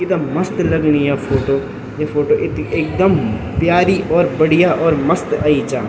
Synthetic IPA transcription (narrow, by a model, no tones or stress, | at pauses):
ɪd̪amɐst̪lɐɡnijapʰoːʈoː | jefʰoːʈoʔɪt̪eːk̚d̪əm | pjaːɾiʔɔːɾbɐɽɪjaʔɔːɾməst̪aːit͡ʃaː